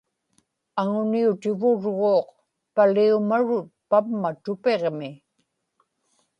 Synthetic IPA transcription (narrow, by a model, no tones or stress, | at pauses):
aŋʊniut̪ɪvʊɻʁoːq | paliumaɻʊt̪̚pamːat̪ʊpeʁmɪ